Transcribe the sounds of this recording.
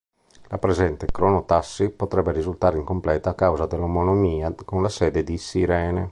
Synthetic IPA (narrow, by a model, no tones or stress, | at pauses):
lapɾezɛnt̪ekɾonot̪asːipot̪ɾɛbːeɾizult̪aːɾeiŋkomplɛːt̪aːkːawzad̪elːomonomiːakonlasɛːd̪ed̪isiɾɛːne